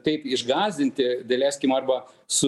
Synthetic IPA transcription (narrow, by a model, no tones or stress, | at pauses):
t̪ɐɪpɪʒɡɑːzʲd̪ʲɪnʲt̪ʲɪd̪ɐlʲæːsʲkʲɪmɐrbɐsʊ